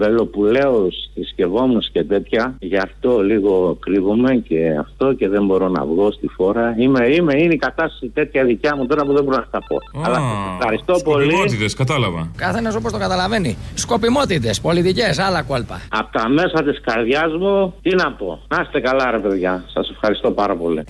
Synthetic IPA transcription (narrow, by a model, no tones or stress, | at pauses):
ve̞lo̞pule̞osðisce̞vo̞munuscet̪e̞t̪çɐʝɐft̪o̞liɣo̞kɾivome̞ce̞a̰ft̪o̞ce̞ðembo̞ɾo̞nɐ̰vɣo̞st̪ixo̞ɾɐimeime̞ineikɐt̪ɐst̪ɐ̥sit̪e̞t̪çɐðicɐmut̪o̞ɾɐpuðebo̞ɾonɐt̪ɐpo̞̰ɐlɐsexɐɾist̪opoliot̪it̪eskɐt̪ɐlɐvɐkɐθe̞nɐs̬opost̪o̞ɡɐt̪ɐlɐve̞nisko̞pimo̞t̪it̪e̞spo̞lit̪ice̞s̬ɐlɐkolpɐ̰ɐpot̪ɐme̞sɐt̪iskɐɾðʝɐzmut̪inɐpo̞nɐst̪e̞kɐlɐɾe̞pe̞ðʝɐsɐse̞fxɐɾist̪o̞pɐɾɐpo̞lḭ